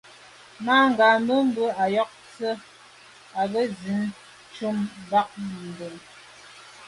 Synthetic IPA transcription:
naː˦ŋ̩˨ɡa˨mə˦m̩˦bə˦a˨jɔ˦k̚t͡sə˦ | a˨bə˦zi˨˦n | t͡ʃu˦mba˦k̚n̩˨de˨ŋ

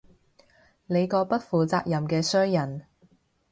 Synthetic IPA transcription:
ne˨˧jkɔː˧pɐ˥t̚fuː˨t͡saː˧k̚jɐ˨˩mkɛː˧sœː˥ŋjɐ˨˩n

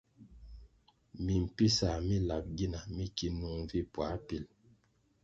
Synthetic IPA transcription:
mi˨m̩˨pi˦sa˨mi˦la˨p̚ɡi˦na˨mi˦ki˨nu˨ŋ˦vi˦pwa˨˦pi˨l

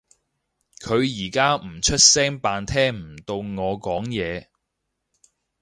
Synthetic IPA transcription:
kʰɵ˨˧ɥjiː˨˩kaː˥m̩˨˩t͡ʃʰɵ˥t̚sɛː˥ŋpaː˧nt̪ʰɛː˥ŋm̩˨˩t̪o˧wŋɔː˨˧kɔː˨˥ŋjɛː˨˧

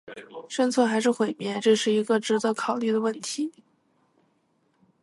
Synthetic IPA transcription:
ʂə˥nt͡sʰwə˥˩xa˧˥ɪʂɻ̩˥˩xwe˨˩ɪmjɛ˥˩ʈ͡ʂɤ˥˧ʂɻ̩˥˩i˧˥ɡə˧ʈ͡ʂɻ̩˧˥t͡sɤ˥˩kʰɑ˨˩ʊly˥˩d̪ə˩wə˥˩nt̪ʰi˧˥

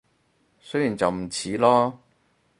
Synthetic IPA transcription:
sɵ˥jiː˨˩nt͡sɐ˨wm̩˨˩t͡sʰiː˨˥lɔː˥

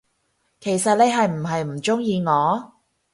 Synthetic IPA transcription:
kʰe˨˩jsɐ˨t̚le˨˧jɦɐ˨jm̩˨˩ɦɐ˨jm̩˨˩t͡ʃʊ˥ŋjiː˨˧ŋɔː˨˧

